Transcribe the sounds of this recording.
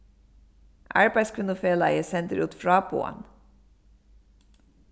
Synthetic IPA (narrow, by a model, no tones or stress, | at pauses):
ʔʔɑ̰ɹbæɪskʰɪnʊfeːlɑəsɛnt̪ɾuːt̪fɹɑːpṵːɑ̰n